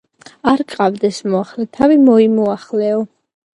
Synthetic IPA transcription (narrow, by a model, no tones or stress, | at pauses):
aɾkʼqʼavd̪ɛsmɔaχlɛt̪ʰavimɔimɔaχlɛɔ